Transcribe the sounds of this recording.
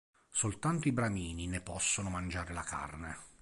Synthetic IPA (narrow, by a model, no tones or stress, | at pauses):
solt̪ant̪oibɾamiːninepɔsːonomand͡ʒaːɾelaka̰rne